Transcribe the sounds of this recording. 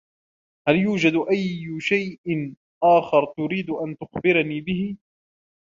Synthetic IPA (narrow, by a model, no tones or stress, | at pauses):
haljuːd͡ʒad̪ʔajːʊʃajʔɪn | ʔaːxɪɾˤt̪ʊɾiːd̪ʔant̪ʊxbɪɾniːbɪhɪ